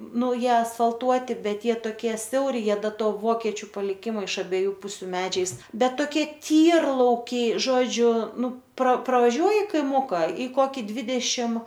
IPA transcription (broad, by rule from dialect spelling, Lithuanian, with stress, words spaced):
ˈnʊ ˈjiɛ ɐsfɐlˠˈtuɔtʲɪ ˈbʲɛt ˈjiɛ toːˈkʲiɛ ˈsʲɛʊrʲɪ ˈjiɛ ˈdɐ ˈtoː ˈʋoːkʲɛt͡ʃʲʊ pɐlʲɪˈkʲɪmoː ɪʃ ɐbʲiɛˈjuː ˈpʊsʲʊ ˈmʲæːd͡ʒʲɛɪs ˈbʲɛt toːˈkʲiɛ ˈtʲiːrlˠɐʊkʲɛɪ ˈʒoːd͡ʒʲʊ ˈnʊ proː prɐʋɐˈʒʲuɔjɪ kɐɪˈmʊkɐ iː ˈkoːkʲɪ ˈdʲʋʲɪdʲɛʃʲɪm